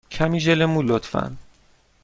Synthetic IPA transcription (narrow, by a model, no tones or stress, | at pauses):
cʰæmiːʒelemulot̪fæ̰n